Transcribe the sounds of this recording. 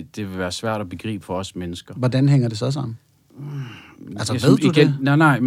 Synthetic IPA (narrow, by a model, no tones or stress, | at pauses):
d̥e̝ʋe̝lʋæːɐsʋæɐ̰ɾ̥ɒb̥e̝ɡ̥ʁḭːb̥əfɒ̽ɒ̽smenəsɡ̥ɐʋɒd̥ænɦeŋ̰ɐd̥e̝s̬ɒ̽s̬ɑ̈m̰n̩ | æl̰sɐʋe̝ð̰ˠdud̥eennɑ̈ɪ